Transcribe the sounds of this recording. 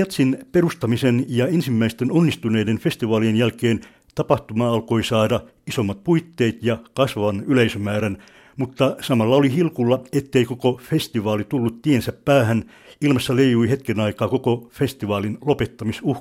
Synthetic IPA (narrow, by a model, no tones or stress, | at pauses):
ɑt̪sinperust̪ɑmisenjɑensimːæist̪enonːist̪uneidenfest̪iʋɑːlienjælkeːn | t̪ɑpɑht̪umɑɑlkoisɑːdɑ | isomːɑt̪̚puit̪ːeːt̪jɑkɑsʋɑʋɑnyleisømæːɾæn | mut̪ːɑsɑmɑlːɑolihilkulːɑet̪ːeikokofest̪iʋɑːlit̪ulːut̪t̪iensæppæːhæn | ilmɑsːɑlejjuihet̪kenɑikɑːkokofest̪iʋɑːlinlopet̪ːɑmisuh